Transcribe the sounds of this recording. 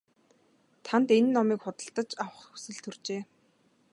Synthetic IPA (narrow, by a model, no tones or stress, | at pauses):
t̪ʰant̪enːɔmiːkχʊt̪ə̆ɬt̪ə̆t͡ɕawə̆χu̥sɘ̆ɮt̪ʰɵrt͡ɕeː